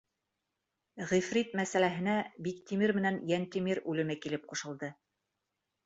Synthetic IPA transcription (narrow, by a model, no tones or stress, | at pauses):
ʁifrit̪mæsælæɦɘ̆næbikt̪ʲimɘɾmɘ̆nænjænt̪imiɾʉlɘ̆nækilɘp̚qŭʃɤ̆lˠd̪ɤ